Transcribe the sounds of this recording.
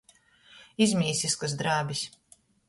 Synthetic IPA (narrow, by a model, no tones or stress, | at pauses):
izʲmʲiːsiskɐzd̪ɾaːbis